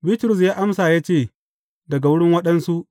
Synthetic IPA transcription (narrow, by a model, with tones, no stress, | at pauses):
bi˦tɾʊ˨s̬jaː˦ʔa˦msaː˨jaː˦t͡ʃeː˦˨ | dɐ˨ɡa˨wʊ˦ɽɪ˦ŋwɐ˦ɗɐ˦nsu˦ʔ